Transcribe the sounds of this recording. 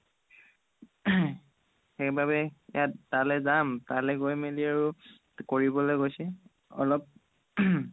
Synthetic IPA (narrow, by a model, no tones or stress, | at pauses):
xɛkbabɛjatːalɛzamtalɛɡojmeliaɹu | koɹibɔlojɡojsɛ | ɔ̰lɔp̚